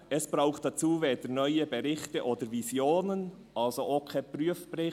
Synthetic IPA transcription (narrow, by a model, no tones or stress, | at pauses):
ɛsb̥ɾaʊχt̚d̥ɑt͡suːveːd̥ənœʏəbɛɾɪçtəʔoːdəɾvizjoːnən | ʔɑlsoʔoːkʰɛpryəfbrɪ